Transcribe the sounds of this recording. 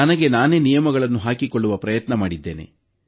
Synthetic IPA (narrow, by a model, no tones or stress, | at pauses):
ɐnɐɡe̞naːne̞ːnijɐmɐɡɐɭɐnːuɦaːkikoɭːuʋɐpɾɐjɐt̪nɐmaːɽid̪ːe̞ːne̞̰